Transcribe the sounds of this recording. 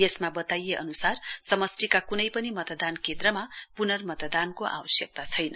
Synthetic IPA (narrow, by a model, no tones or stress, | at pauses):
jesmabʌt̪ajeʔʌnusarsʌmʌsʈikakunʌjpʌnimʌt̪d̪ankʰet̪rʌmapunʌrmʌt̪d̪ankoʔa̰wʌsjʌk̚t̪at͡sʰʌjnʌ